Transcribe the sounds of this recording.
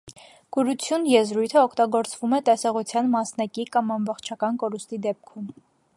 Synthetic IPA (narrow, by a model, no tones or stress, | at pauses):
ɡ̥uɾut͡sʰjunjɛzɾujt̪ʰəɔkʰt̪ɑɡɔɾt͡svumɛt̪ɛsɔʁut͡sʰjɑnmɑsnɑkikɑmɑmbɔχt͡ʃʰɑkɑnkɔɾust̪id̪ɛp̚kʰum